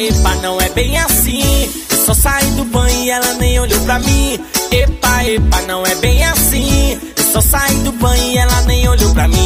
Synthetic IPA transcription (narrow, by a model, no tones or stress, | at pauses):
epanɐ̃w̃ɛbẽj̃asĩ | ewsɔsaĩd̪ʊbɐ̃ɪɛlɐnẽj̃oʎowpɾamĩepaepanɐ̃w̃ɛbẽj̃asĩ | esɔsaĩd̪ʊbɐ̃ɪɛlɐnẽj̃oʎowpɾamĩ